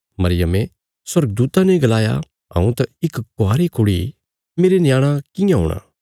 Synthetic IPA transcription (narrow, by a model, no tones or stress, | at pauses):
mɐɾɪjəme | swɐɾɡəd̪uːt̪aneɡɐlaːja̰ | ɦɐ̰̃ũt̪ɐɪkɡʊaːɾikʰʊɽi | meːɾenɪjaːɽ̃ãkɪ̃jãɦo̰ːɽ̃a̰ː